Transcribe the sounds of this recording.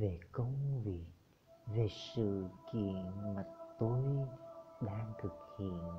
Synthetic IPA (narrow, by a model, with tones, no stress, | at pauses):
ve˨˩kə˧wŋ͡mvi˨˩ək̚ | ve˨˩sɨ̰˧˨ki˧˨ənmaː˨˩t̪o˧jɗaː˧ŋt̪ʰɨ˨˩k̚hḭ˧˨ən